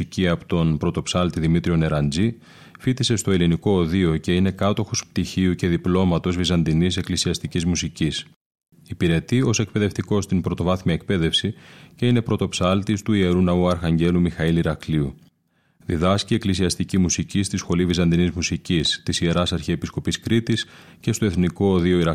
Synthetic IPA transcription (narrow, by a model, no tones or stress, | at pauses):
iciɐpot̪o̞npɾo̞t̪o̞psɐlt̪iðimit̪ɾio̞ne̞ɾɐnd͡zi | fit̪ise̞st̪o̞eliniko̞ːðio̞ce̞ine̞kɐt̪o̞xosp̚t̪içiuce̞ðiplo̞mɐt̪o̞zvizɐnd̪inise̞klisiɐst̪icizmusicis | ipiɾe̞t̪io̞se̞k̚pe̞ðe̞ft̪iko̞st̪impɾo̞t̪o̞vɐθmiɐek̚pe̞ðe̞fsice̞ine̞pɾo̞t̪o̞psɐlt̪ist̪uie̞ɾunɐuɐɾxɐɲɟe̞lumixɐiliɾɐkliu | ðiðɐscie̞klisiɐst̪icimusicist̪isxo̞livizɐnd̪inizmusicist̪isieɾɐsɐɾçiepisko̞piskɾit̪is | ce̞st̪o̞eθniko̞ːðio̞iɾɐ